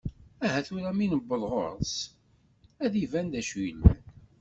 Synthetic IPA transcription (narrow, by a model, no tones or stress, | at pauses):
æɦæθuɾæminəbːəlʁo̰ɾˤs | æðivænd̪æʃin